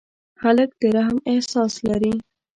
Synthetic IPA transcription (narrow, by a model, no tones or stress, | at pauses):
xalək̚d̪̥əɾaɦmɪhsɑslaɾi